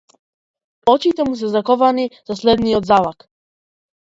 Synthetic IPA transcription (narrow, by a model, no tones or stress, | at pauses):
ɔt͡ʃit̪ɛmus̬ɛzakɔvaniz̥aslɛd̪nijɔd̪zalak